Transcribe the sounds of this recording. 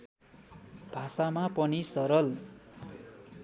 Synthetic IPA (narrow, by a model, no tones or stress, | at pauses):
b̥ʱasamapʌnisʌɾʌl